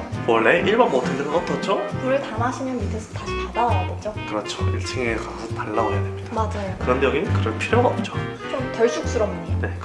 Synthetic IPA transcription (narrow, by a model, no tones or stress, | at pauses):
wʌɭːe̞ʔiɭbanmʌtʰɯndʰekaʌt͈ʰʌt͡ɕ͈okɯɾɯɭtamaɕʰimjʌnmitʰɯsʰʌ̥taɕʰikadawaadod͡ʑokɯɾʌt͡ɕʰoiɭt͡ɕʰiŋɡekasʰʌsʰʌtaɭːaoɡejadwe̞mɲid̥amad͡ʑajokɯɾʌndjʌɡinkɯɾʌnpʰiɾjoɡaʌp̚t͡ɕ͈o̥ | t͡ɕomtʌɭt͡ɕ͈ʰuk̚s͈uɾʌmɲine̞